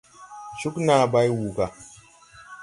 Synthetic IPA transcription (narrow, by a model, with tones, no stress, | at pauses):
ʃu˦kna˨ba˦jwu˨ɡa˨